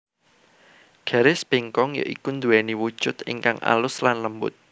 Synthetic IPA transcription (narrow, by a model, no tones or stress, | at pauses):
ɡ̥a̤ɾɪsb̥eŋkɔŋjo̰ʔikund̪uwɛniwud̥ʒ̥ʊt̪ɪ̰ŋkaŋʔa̰lʊslanləmbʊ̰t̪̚